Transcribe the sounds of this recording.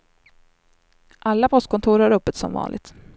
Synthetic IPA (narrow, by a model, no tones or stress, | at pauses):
ʔalːapʰɔst̪̚kʰɔnt̪ʰuːɾhaɾɵpːət̪sɔ̰mvɑ̰ːnɪɡ̚t̪